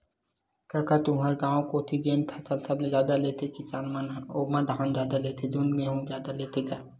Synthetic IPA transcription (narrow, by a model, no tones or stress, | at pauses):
kakat̪ũɦɐɾɡãːõkoːt̪ʰiɡeːnpʰɐsəlsɐblezjaːd̪aleːt̪ekɪsaːnmanoːmɐ̃d̪ʱɦaːnzaːd̪aleːt̪ʰed̪unɡẽɦõzjaːd̪aleːt̪eɡa